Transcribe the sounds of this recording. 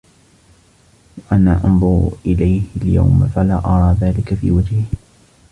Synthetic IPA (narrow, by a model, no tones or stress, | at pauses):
waʔanaːʔɑnðˤʊɾʔɪlajhalja̰wmfalaːʔɑɾˤɑːðaːlɪkafḭːwad͡ʒhɪh